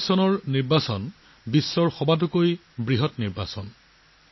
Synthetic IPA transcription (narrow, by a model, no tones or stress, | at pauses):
sɔnɔɹniɹbasɔn | bisːɔɹxɔbat̬ukoj | bɹiɦɔtniɹba̰sɔn